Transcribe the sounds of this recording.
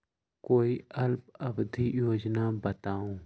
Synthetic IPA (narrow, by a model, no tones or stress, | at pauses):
koːiɐlp̚ɐbd̪ʱijoːd͡ʒnabɐt̪aːũː